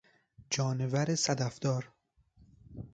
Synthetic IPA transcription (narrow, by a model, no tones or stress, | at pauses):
d͡ʒɒːnevæɾesæd̪æfd̪̥ɒːɾ